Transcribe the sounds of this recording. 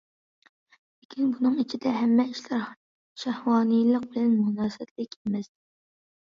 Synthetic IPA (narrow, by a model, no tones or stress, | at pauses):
lekʲʰinbunɨŋit͡ʃʰid̪ɛɦɛmːɛiʃlæɾ | ʃæhwɑːnɨjlˠəq̚bɪlɛnmunɑːsɛt̪lɪkʲemɛst̪ɪ